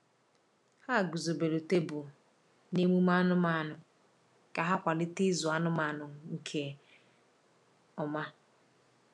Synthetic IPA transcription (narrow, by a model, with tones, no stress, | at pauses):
ha˦˨ɡʊ˨zo˨be˨lo˨te˦bʊ˨ | ne˦mu˦m˦a˦nʊ˦ma˨nʊ˨ | ka˨ɦa˦kʷa˨lɪ˦tɪ˦zʊ˨a˦nʊ˦ma˨nʊ˨ŋ̩˨kʰe˨ | ɔ˨ma˦